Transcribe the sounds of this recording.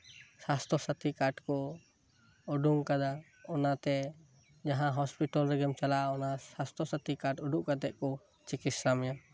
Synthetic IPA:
sast̪ʰɔsət̪ikaʈkɔ | ɔɖuŋkad̪a | ɔnat̪ɛ | d͡ʒaɦãɦɔspiʈalɾɛɡɛmt͡ʃalaɔnasast̪ʰɔsat̪ikaʈɔɖuʔkad̪ɛʔkɔ | t͡ʃikit̪sɾamja

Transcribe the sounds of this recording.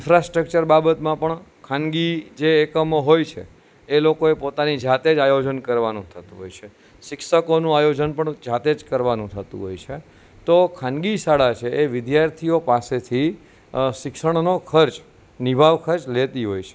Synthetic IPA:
ɪnfɾasʈɾək̚t͡ʃəɾbabət̪mãpəɳkʰãnɡid͡ʒeːkəmoɦojt͡ʃʰḛ | elokoepot̪anid͡ʒat̪ed͡ʒajod͡ʒənkəɾʋanũt̪ʰət̪ṵ̃ɦo̰jt͡ʃʰe | ʃɪkʃəkonũajod͡ʒənpəɳd͡ʒat̪ed͡ʒkəɾʋanũt̪ʰət̪ṵ̃ɦo̰jt͡ʃʰe | t̪okʰãnɡisaɽat͡ʃʰeʔeʋɪd̪jaɾt̪ʰiopaset̪ʰi | ʃɪkʃəɳnokʰəɾt͡ʃ | nibʱaʋkʰəɾt͡ʃlet̪iɦo̰jt͡ʃʰe̥

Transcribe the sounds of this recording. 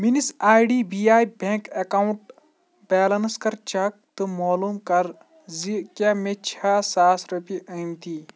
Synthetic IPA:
minisaːjɖiːbiaːjbẽkɐkaːwuɳʈ | bɛːlɐnskɐɾt͡ʃɐk̚t̪ɨmaːluːmkɐɾ | zikʲamet͡ʃʰaːsaːsɾopiʔɐjmt̪i

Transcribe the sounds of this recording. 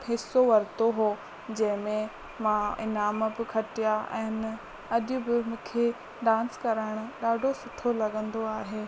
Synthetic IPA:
ɦɪsoʋɐɾt̪oɦoː | d͡ʑɐ̃ɦɪ̃mẽ | mãɪ̰naːməbɪkʰɐʈijaɛ̰̃ːn | ɐʄʊbɪmũːkʰe | ɖãːnskɐɾaːɪɽ̃ʊɗaːɖʱosʊʈʰolɐɠə̃nd̪oaːɦeː

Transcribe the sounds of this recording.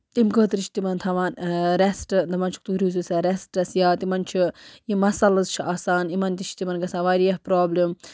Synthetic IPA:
imkəːt̪ɾit͡ʃʰt̪imɐnt̪ʰɐʋaːnɾesʈɨd̪ɐmɐnt͡ʃʰu̥k̚t̪uɾʲizusɐɾesʈɐsjaːt̪imɐnt͡ʃʰijimɐsɐlɐzt͡ʃʰiʔaːsaːnimɐnt̪ʲit͡ʃʰt̪imɐnɡɐsaːʋaːɾijɐhpɾoːblʲim

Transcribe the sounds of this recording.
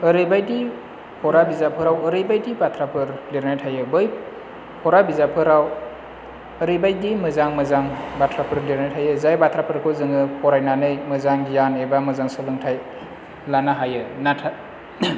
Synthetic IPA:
ɯɾɯjbajdi | pʰɔɾabizapʰɯɾawɯɾɯjbajdibatʰɾapʰɯɾliɾnajtʰajɯbɯj | pʰɔɾabizapʰɯɾaw | əɾɯjbajdimɯzaŋmɯzaŋbatʰɾapʰɯɾliɾnajtʰajɯzajbatʰɾapʰɯɾkʰɯzɯŋɯpʰɔɾajnanɯjmɯzaŋjanebamɯzaŋsɯlɯŋtʰaj | lanaɦajɯnatʰa

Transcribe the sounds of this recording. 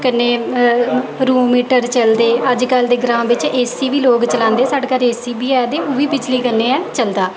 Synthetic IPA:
kənːeː | ɾuːmiːʈəɾt͡ʃəld̪eːəd͡ʒkəld̪eːɡɾãːʋɪt͡ʃeːsiːʋiːloːkt͡ʃəlãːnd̪eːɛːsaːɖkəɾeːsiːbiːɛːd̪eːoːʋiːbɪd͡ʒliːkənːeːɛːt͡ʃəld̪aː

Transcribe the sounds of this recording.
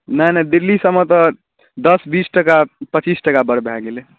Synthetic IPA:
nənad̪ilːisəmet̪ɔ | d̪əsbisʈəkapət͡ʃisʈəkabəɾbʱaɡele

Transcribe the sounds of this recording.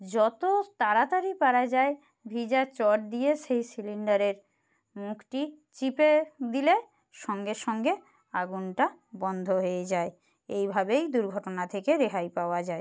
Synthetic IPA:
d͡ʑɔt̪ot̪aɾat̪aɾipaɾad͡ʑae | bʱid͡ʑat͡ɕɔʈ̚d̪ieʃejsiliɳɖaɾeɾ | mukʰʈi | t͡ɕiped̪ile | ʃɔŋɡeɾʃɔŋɡe | aɡunʈabɔnd̪ʱoɦoed͡ʑae | ejbʱabejd̪uɾɡʱɔʈonat̪ʰekeɾeɦajpaoad͡ʑae

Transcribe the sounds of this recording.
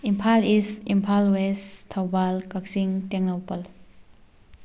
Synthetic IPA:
impʰalisimpʰalwestʰawbalkaksiŋtɛŋnowpəl

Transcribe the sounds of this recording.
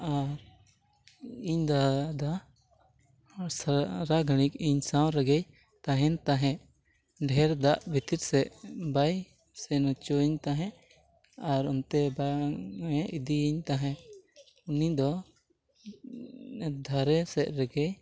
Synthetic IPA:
aɾ | iɲd̪ad̪a | saɾaɡʱəɽ̃ikiɲsawɾɛɡɛj | t̪ãɦɛ̃nt̪aɦɛ̃ʔ | ɖʱɛɾd̪aʔbʱit̪iɾsɛʔbaj | sɛnut͡ʃɔiɲt̪aɦɛ̃ | aɾɔnt̪ɛbaɛ̃ʔid̪iːɲt̪aɦɛ̃ | unid̪ɔ | ɛd̪ʱaɾɛsɛʔ̚ɾɛɡɛj

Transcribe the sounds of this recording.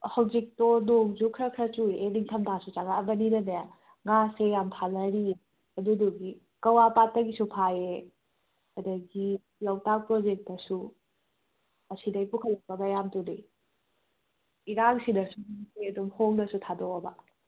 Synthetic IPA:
hɐwzik̚tonoŋzukʰɾɐkʰɾɐt͡ʃuɾieliŋtʰɐmtʰasut͡ʃaɡaːbɐninɐnɐj | ŋasejamtʰalɐɾi | ɐduduɡi | kɐwapatːɐɡisupʰae | hɐdɐɡi | lawtak̚pɾod͡ʒek̚tɐsu | ɐsidɐjpukʰɐlɐk̚pɐmajamtuni | iɾaŋsinɐsukiɐdumhoŋnɐsutʰadɔbɐ

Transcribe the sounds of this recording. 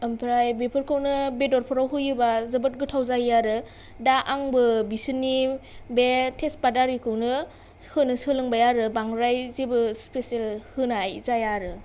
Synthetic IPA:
ɯmpʰɾajbepʰɯɾkʰɯwnɯbedɔɾpʰɔɾawɦɯjɯbazɐbɯt̚ɡɯtʰawzajjaɾɯ | daʔaŋbɯbisɯnːibetʰespadaɾikʰɯwnɯ | hɯnɯsɯlɯŋbajaɾɯbaŋɾajzibɯspesielhɯnajzajaɾɯ

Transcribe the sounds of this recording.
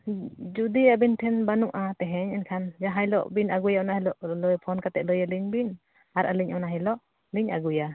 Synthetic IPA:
d͡ʒud̪iabintʰɛnbanuʔat̪ɛɦɛɲɛnkʰand͡ʒaɦajlɔ̰ʔbinʔaɡujaɔnahɛlɔʔlɔjpʰɔnkat̪ɛʔləjaliɲbin | aɾʔaliɲanaɦɛlɔʔ | liɲa̰ɡuja

